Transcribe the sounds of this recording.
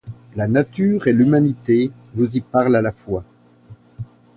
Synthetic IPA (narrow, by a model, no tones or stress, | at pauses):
lanat̪yʁelymanit̪e | vuzipaʁlalafwa